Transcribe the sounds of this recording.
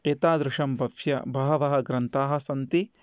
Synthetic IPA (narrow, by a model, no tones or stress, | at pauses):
eːt̪aːd̪ɾɪʃɐmbɐpjɐ̰bʱɐɦɐʋɐɦɐ̆ɡɾɐnt̪aːɦɐ̆sɐnt̪i